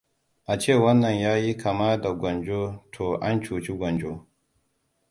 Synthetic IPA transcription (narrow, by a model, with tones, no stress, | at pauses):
ʔa˨t͡ʃeː˦˨wɐ˦nːɐ˨ɲjaː˦ji˦kʰɐ˨maː˦da˨ɡʷɔ˨nd͡ʒoː˦tʰoː˨ʔa˦nt͡ʃuː˨t͡ʃi˦ɡʷɐ˨nd͡ʒo˦